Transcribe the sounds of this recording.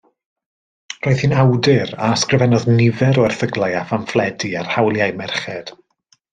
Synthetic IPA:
roːɨð̥hiːnawdɪɾaskrɨvɛnɔðnɪvɛɾɔɛrθəɡlˠajafanflˠɛdiarhawlˠjaɨmɛrχɛd̥

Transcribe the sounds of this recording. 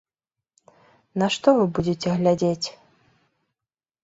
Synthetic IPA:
nɐʂt̪ɔvɨbud͡zʲet͡sʲɛɣlʲad͡zʲet͡sʲ

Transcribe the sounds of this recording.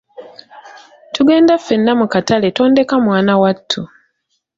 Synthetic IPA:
tuɡe̞ːndafːe̞nːamukatale̞to̞ːnde̞kamwaːnawatʰːu

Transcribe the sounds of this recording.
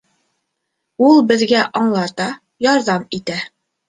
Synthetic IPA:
ulˠbɘ̆ðɡæʔɒɴlˠɑt̪ɑ | jɒɾðɑmit̪æ

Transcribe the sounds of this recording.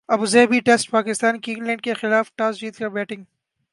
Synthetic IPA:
ɐbuzɛːbiʈesʈpaːkɪst̪aːnkĩŋɡlɛ̃ɳɖ̚kexɪlaːfʈaːsd͡ʒiːt̪kabɛːʈɪ̃ŋɡ

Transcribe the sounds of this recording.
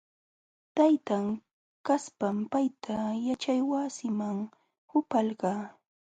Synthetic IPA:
t̪ajt̪aŋ | kaspampajt̪ʰajat͡ʃajwasɪmaŋ | hʊpalɢɑː

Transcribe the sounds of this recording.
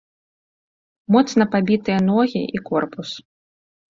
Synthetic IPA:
mɔt̪snɐpabʲit̪ɨjɐnɔɣʲḭʔikɔrpus

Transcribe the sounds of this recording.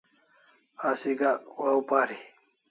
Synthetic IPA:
asiɡawaupaɾi

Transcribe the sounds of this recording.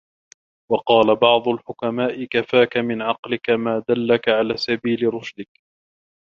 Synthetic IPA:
wɑqɑːlabɑʕd̪ˤʊlħʊkamaːʔɪkafaːkamɪnʕɑqlɪkamaːd̪alːakaʕalaːsabiːlɪɾˤʊʃd̪ɪk

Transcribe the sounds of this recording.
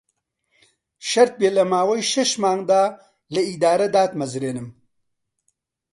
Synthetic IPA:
ʃɐɾt̪̚beːlɐmaːwɐjʃɛʃmaːŋd̪aː | lɐid̪aːɾɐd̪aːt̪mɐzɾeːnɨm

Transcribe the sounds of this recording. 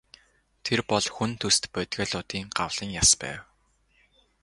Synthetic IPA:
t̪ʰerpɔɮxunt̪ʰɵst̪pœːt̪ɡʲaːɮʊːt̪iːŋɢa̰wɮ̥ə̆ŋjaspæ̰ːw

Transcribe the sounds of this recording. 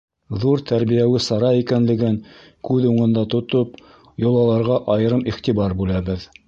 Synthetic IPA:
ðuɾt̪ʰæɾβijæwɘsɑɾɑikænlɘ̆ɡɘŋ | kʉðuɴɤ̆nd̪ɑt̪ŏt̪op | jŏlˠɑlˠɑɾʁɑʔɑjɤ̆ɾɤmiχt̪iβɑɾbʉlæbɘð

